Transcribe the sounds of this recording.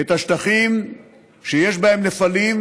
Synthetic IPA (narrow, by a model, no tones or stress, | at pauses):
et̪aʃt̪aχim | ʃejeʃbae̞mnefalim